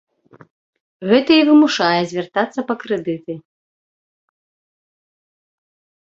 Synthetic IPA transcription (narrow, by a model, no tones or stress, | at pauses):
ɣɛt̪ɐivɨmuʂajɛzʲvʲɛrt̪at̪sːɐpɐkɾɛd̪ɨt̪ɨ